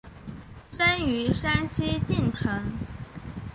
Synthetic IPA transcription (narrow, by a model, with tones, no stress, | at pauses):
ʂa˥ny˧˥ʂa˥nt͡ɕʰi˥t̪i˥˩ŋʈ͡ʂʰə˧˥n